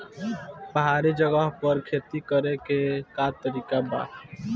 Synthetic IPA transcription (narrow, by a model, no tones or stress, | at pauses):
pəɦaːɾid͡ʒəɡəɦpəɾkʰeːt̪ikəɾekekat̪əɾiːkaba̰ː